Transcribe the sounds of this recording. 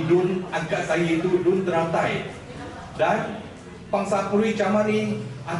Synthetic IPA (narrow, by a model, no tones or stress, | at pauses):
dʊnaɡaʔsajiit̪udʊnt̪əɾawt̪aj | dan | paŋsat̪̚puɾit͡ʃamania